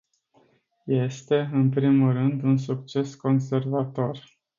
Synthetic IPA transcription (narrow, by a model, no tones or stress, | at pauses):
je̞st̪e̞ɨnpɾimulrɨnd̪uns̬uk̚t͡ʃe̞sko̞nse̞rvat̪o̞r